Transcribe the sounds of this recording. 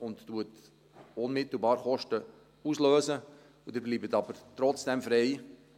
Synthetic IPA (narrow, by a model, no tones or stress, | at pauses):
ʊnttuət | ʊnmɪtl̩ˠbɑːɾχɔʃtə | usløːsə | ud̥ɪɾbliːbətɑbəɾtɾɔt͡sd̥ɛmfɾɛɪ